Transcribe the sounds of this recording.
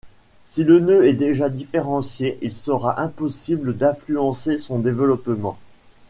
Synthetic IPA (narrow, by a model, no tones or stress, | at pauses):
silənøɛd̪eʒad̪ifeʁɑ̃sjeʔilsəʁaʔɛ̃pɔsibləd̪ɛ̃flyɑ̃sesɔ̃d̪evəlɔpmɑ̰̃